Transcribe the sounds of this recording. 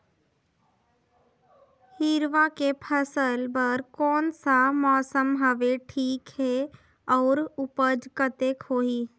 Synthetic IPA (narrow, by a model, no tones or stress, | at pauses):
hiɾʋakepʰəsəlbəɾkɔːnsamɔːsəmɦəʋeʈʰiːkɦɛ | ɔːɾʊpəd͡ʒkət̪ekʰoːɦiː